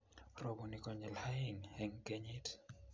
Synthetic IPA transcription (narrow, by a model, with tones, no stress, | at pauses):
ro˨bu˨ni˨kɔ˨ɲɛ˨lha˦iŋɛŋke˦ɲi˦t